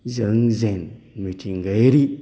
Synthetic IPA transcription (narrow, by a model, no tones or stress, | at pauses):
zəŋzen | mitʰiŋɡəɾi